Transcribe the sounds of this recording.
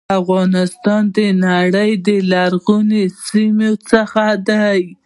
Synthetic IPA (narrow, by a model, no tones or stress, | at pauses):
afɣɑnɪst̪ɑnd̪ənaɽəjd̪əlaɾɣunesimot͡səxad̪aj